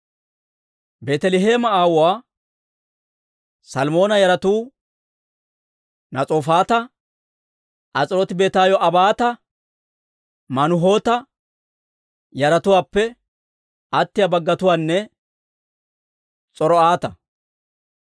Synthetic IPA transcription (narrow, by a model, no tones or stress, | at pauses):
beːt̪ɛlɪɦeːmɐaːwʊwaː | sɐlmo̞ːnɐjɐɾɐt̪uː | nɐt͡sʼoːfaːt̪ɐ | ʔɐt͡sʼɪɾɔt̪ɪbe̞ːt̪aːjɔʔɐbaːt̪ɐ | mɐnʊɦo̞ːt̪ɐ | jɐɾɐt̪ʊwaːpːɛ | ʔɐt̪ːɪjɐbɐɡːɐt̪ʊwaːnːɛ | t͡sʼɔɾɔaːt̪ɐ